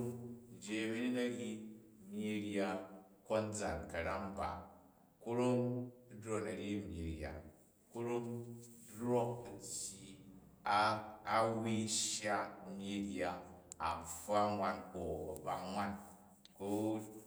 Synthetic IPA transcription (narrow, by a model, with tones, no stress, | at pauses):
d͡ʒe˨mi˦ɾi˦nɐ˦ɾʲi˦mi˧ɾja˧ | ko˦n˦d͡za˨nkɐ˨ɾa˦mba̰˨ | ku˦ɾo˦m˦dɾo˦˨nɐ˨ɾʲi˦mʲi˨ɾja̰˨ | ku˦ɾo˦mdɾo˦k̚a˨ti˨ | aː˦ | wi˦ʃja˦mʲi˦ɾi˦a˦a˨m˨fa˦ŋʷa˦nko˨ba˨ŋʷa˦n | ko˦